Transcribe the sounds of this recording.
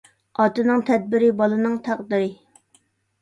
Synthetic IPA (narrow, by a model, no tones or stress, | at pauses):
ɑt̪ɨnɨŋt̪ʰɛd̪̚bɪɾɪbɑlˠɨnɨŋt̪ʰæqd̪ɨɾɪ